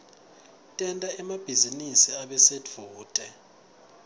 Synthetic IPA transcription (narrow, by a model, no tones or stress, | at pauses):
tʼɛntʼaɛmab̥ʱizinisiaɓɛsed͡vʱuːtʼɛ